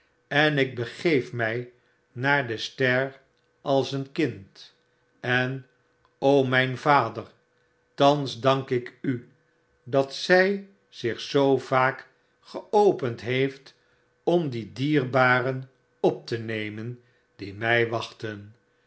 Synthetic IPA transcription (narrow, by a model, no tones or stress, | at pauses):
ɛnɪɡ̚bəχejfmɛj | naːɹdəstɛr | ʔɑlˠsənkɪnt | ɛn | owmɛjnvaːdəɹ | tɑnzdɑŋkɪky | dɑtsɛj | z̥ɪχsowv̥aːk | χəowpəntɦejft | ɔmdidiːrbaːrən | ɔp̚tənejmən | dimɛjʋɑχtən